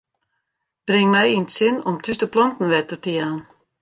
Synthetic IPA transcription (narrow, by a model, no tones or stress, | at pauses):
b̥rɪŋmɛjintsɪnɔmtʰystəplɔntn̩ʋɛtətəjaːn